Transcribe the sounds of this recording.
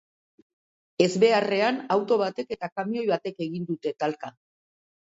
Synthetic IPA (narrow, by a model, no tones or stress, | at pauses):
e̞zβe̞are̞anawt̪o̞β̞at̪e̞ke̞t̪akamio̞jβat̪e̞ke̞ɣind̪ut̪e̞t̪alka